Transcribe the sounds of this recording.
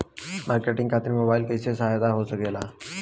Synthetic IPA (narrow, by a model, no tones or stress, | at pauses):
mʔaːɾkeʈɪ̃ŋɡkʰat̪iɾmobaɪlkesesəɦajd̪aɦosəkela